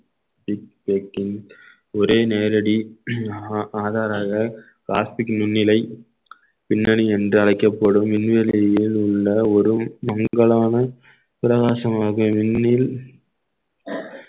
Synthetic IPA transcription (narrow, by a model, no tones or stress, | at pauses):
bɪk̚pekːɪn | ɔɾeːneːɾɐɽi | aːðaːɾaːɣɐ | ka̰ːstɪknʊnːɪlɐɪ | pɪnːɐɽiɛndrɯɐɻɐɪkːɐpːɐɽɯmːɪnʋɛlɐjɪlʊɭːɐɔɾɯmɐŋɡɐɭaːnɐ | pɪɾɐɣaːʂɐmaːɣɐʋɪnːɪl